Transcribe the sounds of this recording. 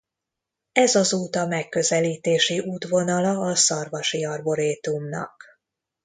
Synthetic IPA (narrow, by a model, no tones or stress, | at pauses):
ɛzɒzoːt̪ɒmɛkːø̞zɛliːt̪eːʃiʔuːt̪ʋo̞nɒlɒːsɒrvɒʃiɒrbo̞ɾeːt̪umnɒ̰k